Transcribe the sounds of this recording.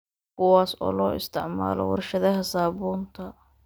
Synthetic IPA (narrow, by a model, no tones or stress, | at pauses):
kʰʊwaːsɔ̰ːlɔːɪ̰st̪ʰɪʕma̰ːlɔwɑ̰rʃɐðɐɦɐsaːβuːnt̪ʰɐ